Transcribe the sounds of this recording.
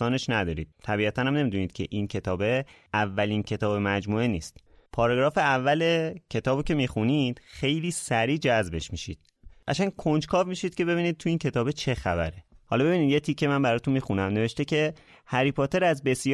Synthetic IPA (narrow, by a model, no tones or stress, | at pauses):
ɒːne̞ʃnæd̪ɒːɾḭːd̪̚t̪ʰæbiːæt̪ʰænhæmne̞mid̪uniːd̪̥̚cʰeʔincʰe̞t̪ʰɒːbe̞ | ævːæliːncʰe̞t̪ʰɒːbemæd͡ʒmuːeniːst̪pʰɒːɾɒɡɾɒːfeævːælecʰe̞t̪ʰɒːbicʰe̞mixunid̪̥xe̞jliːsæɾiːd͡ʒæzbe̞ʃmiʃḭd̪̥ | æ̰t͡ʃænkʰond͡ʒkʰɒːvmiːʃiːd̪̥̚cʰe̞be̞βiniːd̪̚t̪ʰuiːncʰe̞t̪ɒːbe̞t͡ʃʰe̞xæbæɾehɒːlɒːbe̞biːniːd̪je̞t̪ʰiːkʰːe̞mænbæɾɒːt̪unmiːxunæmne̞ve̞ʃt̪ecʰe̞ | hæɾiːpʰot̪ʰe̞ɾæzbe̞sj